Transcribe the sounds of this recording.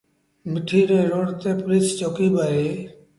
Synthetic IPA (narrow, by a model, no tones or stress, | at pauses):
mɪʈʰiːɾeːɾoːɽt̪eːpɾit͡sʰt͡ʃoːkiːbaɾe